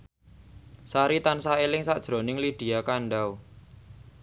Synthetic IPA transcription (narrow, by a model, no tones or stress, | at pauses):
saɾit̪ansaelɪŋsaʔd̥ʒ̥ɾonɪŋlid̪̥i̤jakaɳɖaw